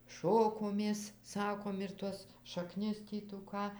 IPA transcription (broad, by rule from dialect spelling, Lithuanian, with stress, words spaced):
ˈʃoːkoːmʲeːs ˈsɑːkoːm ɪr ˈtuɔs ʃɐˈknʲɪs ˈtʲiː tuː ˈkɑː